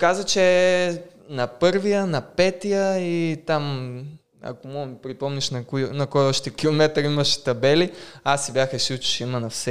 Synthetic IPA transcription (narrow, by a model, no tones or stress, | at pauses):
kazət͡ʃɛ | nɐpɤɾvijənɐpɛt̪ijəit̪am | ɐ̰komɔɡəmipɾipɔmniʃnɐkjnɐkɔjɔʃt̪ɛkʲilˠomɛt̪ɾimɐʃt̪ɐbɛliasibjaxɐʃut͡ʃi̥ʃimɐnɐfsɛ